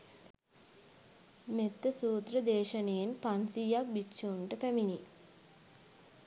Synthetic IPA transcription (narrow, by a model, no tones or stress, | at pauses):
met̪ːəsuːt̪rəd̪eːʃənejenpansijak̚bitːʃuunʈəpæmini